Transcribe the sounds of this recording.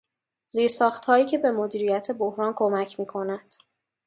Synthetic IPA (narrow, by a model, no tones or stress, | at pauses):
z̥iːɾsɒːxt̪hɒːiːcʰe̞be̞mod̪iːɾijæt̪ʰe̞bohɾɒːnkʰo̞mæcʰmiːkʰo̞næd̪̥